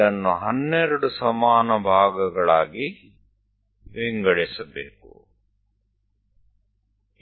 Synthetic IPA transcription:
ɐnːuɦɐnːeɾʊɽusɐmaːnɐbʱaːɡɐɡɐɭaːɡi | ʋeŋɡəɽeːsɐbḛːkṵ

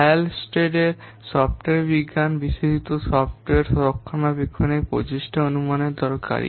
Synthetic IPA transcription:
alsʈɾeɖeɾ | sɔfʈoeɾbiɡːanbiʃid͡ʒit̪osɔfʈoeɾsɔɾokʰːonabikʰːonepɾo̰d͡ʑiʃʈʰaonumaneɾd̪ɔɾka̰ɾḭ

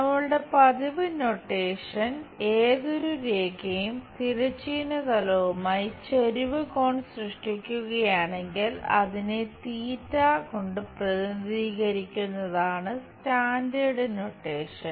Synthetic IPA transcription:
nɐmɐɭɨɽe̞pɐðiʋɨnoʈːeːʂɐneːðo̞ɾuɾeːkɐjumt̪iɾɐt͡ɕːinɐt̪ɐlɐʋumaːjit͡ɕeɾiʋɨkoːɳsrɨʂʈikʲːuɣɐjaːɳe̞ŋɡilɐ̰ðinet̪iːtːaːko̞ɳɖɨprɐðɐnd̪iːɣɐɾikʲːunːɐðaːɳɨstaːndeːɽɨno̞ʈːe̞ːʂɐn

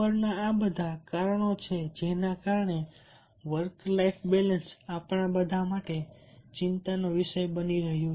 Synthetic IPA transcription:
əɾnaabəd̪ʱakaɾəɳ̃ot͡ʃʰed͡ʒenakaɾɳe | ʋəɾklaifʰbelənsapɳabəd̪ʱamaʈet͡ʃɪnt̪anoʋɪʃəjbəniɾəɦjũ

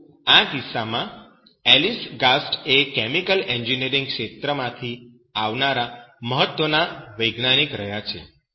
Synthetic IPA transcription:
ad̪isamã | ɛlisɡasʈekɛmikəleɲd͡ʒineɾiŋɡkʃet̪ɾəmãt̪ʰi | aʋnaɾaməɦət̪wʋənaʋəjɡnanikɾəɦjat͡ʃʰḛ

